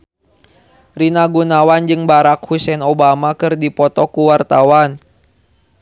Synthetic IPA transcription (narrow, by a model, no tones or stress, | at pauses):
rinaɡunawand͡ʒɨŋbaɾak̚husɛnobamakɨrdipɔt̪ɔkuwart̪awan